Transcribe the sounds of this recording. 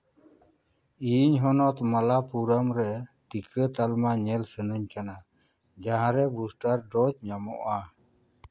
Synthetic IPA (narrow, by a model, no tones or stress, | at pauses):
iɲɦɔnɔt̪malapuɾamɾɛ | ʈikət̪almaɲɛlsənəɲkana | d͡ʒaɦãɾɛbusʈaɾɖɔt͡ʃ̚ɲamɔʔa